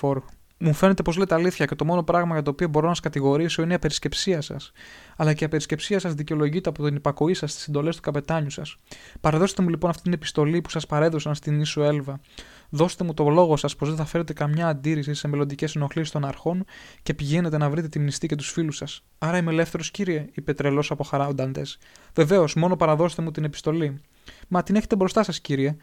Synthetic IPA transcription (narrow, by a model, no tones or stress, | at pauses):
oɾ | mufe̞ne̞t̪e̞po̞zle̞t̪eɐliθçɐce̞t̪o̞mo̞no̞pɾɐɣmɐʝɐt̪̬o̞ːpio̞bo̞ɾo̞nsskɐt̪iɣo̞ɾiso̞ineiɐpe̞ɾisce̞psiɐsɐ̰sɐlɐceiɐpe̞ɾisce̞psiɐsɐzðiceolo̞ʝit̪eɐpot̪inipɐko̞isɐst̪i̥send̪o̞le̞st̪u̥kɐpet̪ɐɲusɐspɐɾeðo̞set̪e̞mulipo̞nɐft̪it̪inepi̥st̪o̞lipu̥sɐspɐɾe̞ðo̞sɐnst̪inisoe̞lvɐ | ðo̞st̪e̞mut̪o̞lo̞ɣo̞sɐspo̞zðenθɐfe̞ɾe̞t̪e̞kɐmɲɐːnd̪iɾisise̞me̞lod̪ice̞sno̞xlisist̪o̞nɐɾxo̞nce̞piʝe̞ne̞t̪e̞nɐvɾit̪e̞t̪imnist̪ice̞t̪̬usfilusɐs | ɐɾɐimeele̞fθe̞ɾosciɾie̞ipe̞t̪ɾe̞lo̞sɐpo̞xɐɾɐond̪ɐnd̪e̞s | ve̞ve̞o̞zmo̞no̞pɐɾɐðo̞set̪e̞mut̪ine̞pi̥st̪o̞li | mɐt̪ineçe̞t̪ebɾo̞st̪ɐsɐsciɾie̞